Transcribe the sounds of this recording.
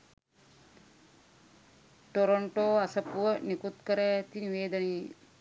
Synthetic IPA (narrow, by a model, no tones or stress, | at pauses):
ʈoɾoɳʈoːasɐpuʋənikut̪kəɾaːt̪iniʋeːd̪ɐneji